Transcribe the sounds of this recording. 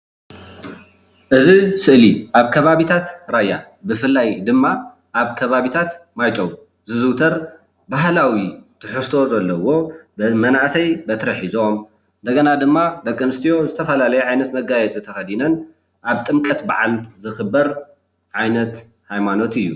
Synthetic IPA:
ʔɨzisɨʔliʔaβkʰɐβaβit̪ʰat̪ɾajːa | bɨfɨlːajd̪ɨmːa | ʔaβkʰɐβaβit̪ʰat̪majt͡ʃʼɐw | zɨzɨwt̪ʰɐɾ | baɦlawit̪ʰɨħɨst̪ʰo̞zɐlːɐwo̞bmɐnaʔsɐjbɐt̪ɾɐħizom | ɨnd̪ɐɡɐnad̪ɨmːad̪ɐkʼːɨmɨst̪ʰijo̞zɨt̪ʰɐfɐlalɐjɛʕajnɐt̪mɐɡajɛt͡sʼɨt̪ʰɐxɐd̪inɐn | ʔaβt̪ʼɨmkʼɐt̪ba̰ʕalzɨxɨbːɐɾ | ʕajnɐt̪ | hajmano̞t̪ɨjːu

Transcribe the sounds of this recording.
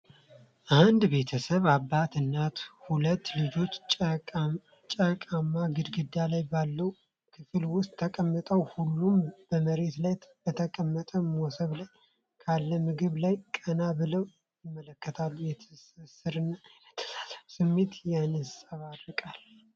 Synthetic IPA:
ʔand̪be̞t̪ʰəsəβabːat̪ɨnːat̪hulət̪ːlɨd͡ʒo̞t͡ʃː | t͡ʃʼəkʼamːaɡɨd̪ɡɨd̪ːalajbalːəw | kʰɨfɨlwʊst̪ʼʰːəkʼəmːət̪ʼəwhulːumb̥əməɾe̞t̪lajb̥ət̪ʰəkʼəmːət̪ʼəmosəβlaj | kʰalːəmɨɡɨβlajkʼənabɨləw | jɪmːələkːət̪ʰalːujɛt̪ʰsɨsɨɾɨnːajɛt̪ʰə̥sḁzsɨmːe̞t̪janɨsʼaβarɨkʼal

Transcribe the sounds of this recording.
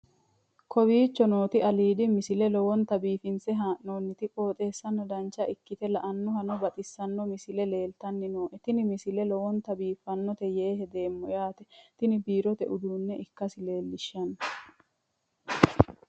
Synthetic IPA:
kʰɔbiːt͡ʃːɔno̞ːt̪ɪʔɐliːd̪ɪmɪsɪlɛlɔwɔnt̪ɐbiːfɪnsɛɦaːʔnoːnːɪt̪ɪkʼo̞ːt̪ʼe̞ːsːɐnːɔd̪ɐnt͡ʃːɐʔɪkːɪt̪ɛlɐʔɐnːɔhɐnɔbɐt̪ʼɪsːɐnːɔmɪsɪlɛle̞ːlt̪ɐnːɪnoːʔɛt̪ɪnɪmɪsɪlɛlɔwɔnt̪ɐbiːfːɐnːɔt̪ɛjeːɦɛd̪e̞ːmːɔjaːt̪ɛt̪ɪnɪbiːɾɔt̪ɛ̰ʔʊd̪uːnːɛʔɪkːɐsɪle̞ːlːɪʃːɐnːɐ

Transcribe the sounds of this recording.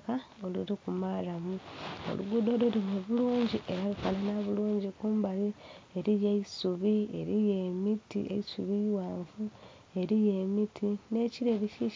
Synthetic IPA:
kao̞lṵɾikumaɾamuo̞̰lṵɡudo̞ːloɾimeβuluːɲɟiʔe̞ɾaβifananaβuluːɲɟikuːmbalie̞ɾijeisuβiḛɾijemitḭʔḛisuβiwaːɱvu | e̞ɾijemitʰine̞ciɾeɾici

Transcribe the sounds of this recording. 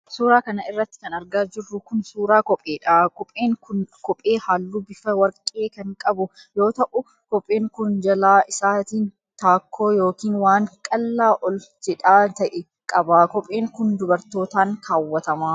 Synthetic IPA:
suːɾaːkɐnɐɪrːɐt̪ːɪ̥kɐnɐɾɡaːd͡ʒɪrːʊkʊnsuːɾaːkɔpʼeːᶑaːkɔpʼeːŋkʊnkɔpʼe̞ːhaːlːuːbɪfɐwɐɾkʼːe̞ːkɐŋkʼɐbʊ | jo̞ːt̪ɐʔʊ | kɔpʼːeːŋkʊnd͡ʒɐlaːʔɪsaːt̪iːn | t̪aːkʰːoːjo̞ːkiːnwaːŋkʼɐlːaːʔɔld͡ʒɛᶑaːt̪ɐʔɛ | kʼɐbaːkɔpʼːe̞ːŋkʊnd̪ʊbɐɾt̪o̞ːt̪aːŋkʰaːwːɐt̪ɐmaː

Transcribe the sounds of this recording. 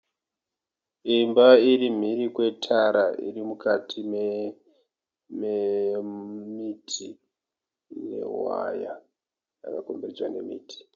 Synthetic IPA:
imbaiɾim̤irikwe̞tʰaɾaḭrimukʰatʰim | me | mitʰi | ne̞̰wa̰ja | a̰kakomberid͡zwane̞̰miːtʰi̥

